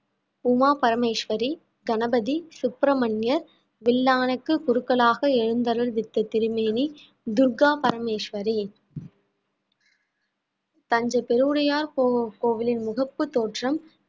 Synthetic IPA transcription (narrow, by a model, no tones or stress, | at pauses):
ʊmaːpɐɾɐmeːʂʋɐɾi | ɡɐnɐbɐðisʊpɾɐmɐɳjɐɾ | ʋɪlːaːnɐkːɯkʊɾɯkːɐɭaːɣɐɛɻɯnd̪ɐɾɐlʋɪt̪ːɐt̪ɪɾɯmeːni | d̪ʊɾɡaːpɐɾɐmeːʂʋɐɾi | t̪ɐɲd͡ʒɐpɛɾuːɾɐjaːɾkoːʋɪlɪnmʊɣɐpːɯt̪oːʈrɐm